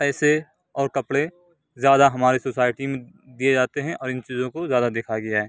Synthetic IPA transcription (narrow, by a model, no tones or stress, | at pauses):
pɛːse | ɔːɾkɐpɽẽ | zjaːd̪aɦɐmaːɾisoːsaːɪʈimẽ | d̪ied͡ʒaːt̪eɦɛ̃ʔɔːɾɪ̃nt͡ʃiːzõkozjaːd̪ad̪eːkʰaɡɐjaɦɛː